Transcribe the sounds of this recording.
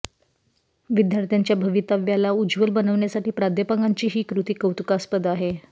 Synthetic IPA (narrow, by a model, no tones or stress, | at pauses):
ʋid̪jaɾt̪jaɲt͡ɕjabʱəʋiːt̪aʋjalaud͡zʋəlbənəʋɳjasaʈiːpɾad̪ʱjəpaŋɡaɲt͡ɕiːɦiːkɾut̪iːkəwt̪ukaspəd̪aɦe